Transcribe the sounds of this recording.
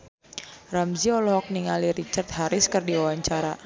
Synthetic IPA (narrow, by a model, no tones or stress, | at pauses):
ramziɔlɔɦɔk̚niŋaliɾit͡ʃart̪̚haɾɪskɨrdiwawaɲt͡ʃaɾa